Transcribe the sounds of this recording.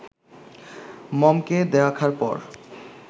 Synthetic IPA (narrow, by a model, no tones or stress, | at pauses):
mɔmked̪ɛakʰaɾpɔ̰ɾ